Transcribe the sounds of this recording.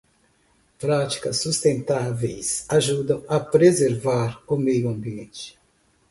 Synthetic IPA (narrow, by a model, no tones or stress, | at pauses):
pɾat͡ʃi̥kɐsːust̪ẽnt̪avejsaʒud̪ɐ̃w̃ɐpɾezeɾvaɾʊmejuɐ̃mbiẽnt͡ʃɪ̥